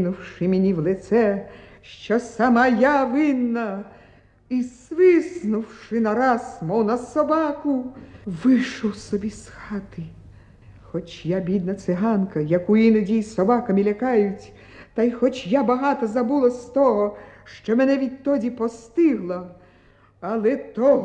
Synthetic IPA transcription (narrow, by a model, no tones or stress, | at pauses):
nʊwʂɪmʲenʲiwlˠɪt̪sɛʃt͡ʃɔsamɐjaʋɪnːɐ | isʋɪsnʊwʂɪnɐɾɑsmɔwnɐsɔbɑkʊʋɪʃɔwsɔbʲisxɑt̪ɪ | xɔt͡ʃjabʲid̪nɐt̪sɪɦɑnkɐjɐkuinʊdʲijsɔbakɐmʲilʲɐkɑjʊt͡sʲ | t̪ɐjxɔt͡ʃjabɐɦɑt̪ɐzɐbulˠɐst̪ɔɦɔʃt͡ʃɔmɛnɛʋʲid̪̚ʲt̪ɔdʲipɔst̪ɪɦlˠɐ | ɐlˠɛt̪ɔ